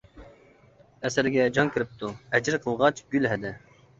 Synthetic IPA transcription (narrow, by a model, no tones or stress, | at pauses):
ɛsæɾɡʲɛd͡ʒɑŋkʲɪɾɪp̚t̪ʰuɛd͡ʒɪɾqʰəlˠʁɑt͡ʃɡ̥ʲylɦɛd̪ɛ